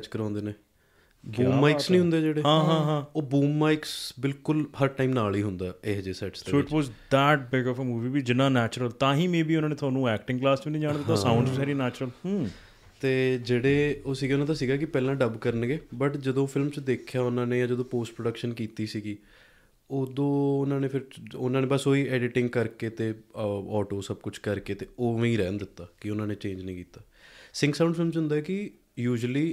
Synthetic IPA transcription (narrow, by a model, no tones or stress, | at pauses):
t͡ʃkəɾãːnd̪eːneː | buːmːaːɪksnĩːɦʊ̃nd̪eːd͡ʒeːɽeːɦãːɦãːɦãːoːbuːmːaːɪksbɪlkʊlɦəɾʈaːimnaːliːɦʊnd̪aːeːd͡ʒeːsɛːʈssoːɪʈʋɔːzd̪ɛːʈ̚bɪɡɔfəmuːʋiːbiːd͡ʒɪnaːnɛːt͡ʃɾəlt̪ãːɦĩːmẽːbiːʊnãːneːt̪ʰʊaːnũːɛːk̚ʈɪ̃ŋɡklaːst͡ʃbiːnĩd͡ʒaːɳ̃d̪eːt̪ãsãʊ̃ɳɖzisɛːɾinɛːt͡ʃɾəlː | t̪eːd͡ʒeːɽeːoːsiːɡeːʊnãːt̪aːsiːɡaːkɪpɛːlãːɖəbkəɾənɡeːbəʈd͡ʒəd̪õːpʰɪlmt͡ʃd̪eːkʰjaːʊnãːneːjãːd͡ʒəd̪õːpoːsʈpɾoːɖəkʃənkiːt̪iːsiːɡiː | oːd̪õːʊnãːneːpʰɪɾʊnãːnẽːbəsoːiːɛːɖɪʈɪ̃ŋɡkəɾkeːt̪eːɔːʈoːsəbkʊt͡ʃʰkəɾkeːt̪eːoːʋẽːĩːɾɛːnd̪ɪt̪ːaːkɪʊnãːneːt͡ʃẽːd͡ʒnĩːkiːt̪aː | sɪ̃ŋɡsãːʊ̃ɳɖfʰɪlmt͡ʃɦʊ̃nd̪aːɛːkɪ | juːd͡ʒəliː